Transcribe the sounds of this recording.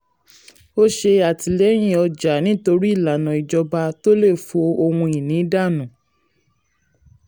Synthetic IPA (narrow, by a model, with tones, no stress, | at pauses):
o˦ʃe˧a˨ti˨lɛ˨˦j̃ĩ˦˨ɔ˧d͡ʒa˨nĩ˨˦to˧ɾi˦i˦˨la˨nɔ̃˨i˨d͡ʒɔ˧ba˧to˦le˦˨fo˨˧o˧hũ˧i˨nĩ˨˦da˦˨nũ˨